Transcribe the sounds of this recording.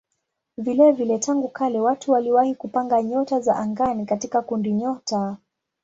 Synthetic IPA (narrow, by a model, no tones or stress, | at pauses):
vilɛvilɛtʰaŋɡukalɛwatʰuwaliwahikupaŋɡaɲɔtazaʔaŋɡanikatikakundiɲɔta